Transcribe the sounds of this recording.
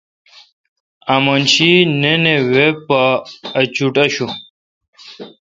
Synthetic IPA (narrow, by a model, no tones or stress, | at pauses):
amɐnɕinenewepaːt͡ɕuʈɐɕu